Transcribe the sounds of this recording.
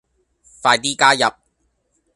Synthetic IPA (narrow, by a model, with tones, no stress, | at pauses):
faː˧jt̪iː˥kaː˥jɐ˨p̚